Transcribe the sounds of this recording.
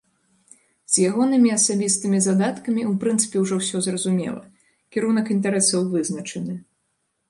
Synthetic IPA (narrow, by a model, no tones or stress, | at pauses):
z̥ʲjaɣɔnɨmʲiɐsabʲist̪ɨmʲizad̪at̪kɐmʲiupɾɨnt̪sɨ̥pʲɛwʐɔwsʲɔzrɐzumʲɛ̰lˠɐ̰ | kʲiɾunɐkint̪aɾɛsɐwvɨznɐt͡ʂɛnɨ